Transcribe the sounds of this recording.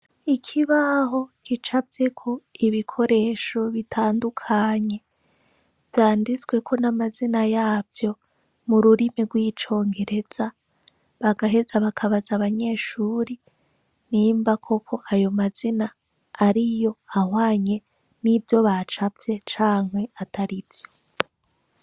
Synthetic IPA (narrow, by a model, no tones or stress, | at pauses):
ikʰiβaɦo̞kit͡ʃavje̞kʰo̞iβikʰo̞ɾe̞ːʃo̞βitʰaːndukʰaɲe̞ | vjaːndizɡwe̞kʰo̞namazinajaːvjo̞ | muɾuɾimiɡwiːt͡ʃo̞ːŋɡe̞ɾe̞z̥a | βaɡaɦe̞zaβakʰaβazaβaɲe̞ːʃuːɾi | niːmbakʰo̞kʰo̞ʔajo̞maz̥inaː | ɾijo̞ahwaːɲe̞ | nivjo̞βat͡ʃavje̞t͡ʃaːŋhe̞atʰaɾivjo̞